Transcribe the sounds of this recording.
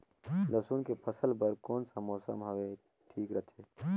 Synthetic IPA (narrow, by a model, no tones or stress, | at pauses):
lɐsuːnkepʰəsəlpəɾkɔːnsamɔːsə̰mɦɐʋe | ʈʰiːkɾət̪ʰeː